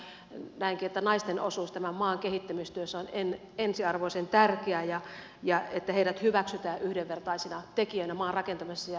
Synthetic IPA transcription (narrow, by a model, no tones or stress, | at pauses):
næiŋkiet̪ːænɑist̪eno̰suːst̪æmæmɑːŋkehit̪ːæmist̪yøsːæonen | ensiɑrʋoisent̪ærkeæjɑ | jɑet̪ːæheiɾæt̪hyʋæksyt̪æːʔyhdeʋʋert̪ɑisinɑt̪ekiønæmɑːnrɑkent̪ɑmɑsːæjɑ